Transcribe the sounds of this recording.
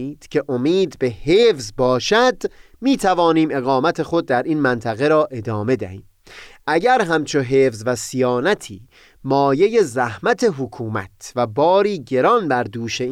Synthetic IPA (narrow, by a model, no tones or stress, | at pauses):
iːd̪̥cʰe̞ʔomiːd̪be̞heːfzbɒːʃæd̪miːt̪ʰævɒːniːme̞ɣɒːmæt̪ʰe̞xo̞d̪̚ːæɾiːnmænt̪ʰæɣe̞ɾɒːʔe̞d̪ɒːme̞d̪æ̰hḭːm | ʔæɟæɾɦæmt͡ʃʰoɦeːfzvæsijɒːnæt̪ʰiː | mɒːje̞je̞zæhmæt̪ʰe̞ɦokʰuːmæ̰t̪ʰvæbɒːɾiːɟe̞ɾɒnbæɾd̪uːʃe̞